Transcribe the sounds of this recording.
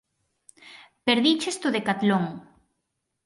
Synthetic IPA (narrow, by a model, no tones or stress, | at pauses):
peɾðit͡ʃest̪ʊðekat̪loŋ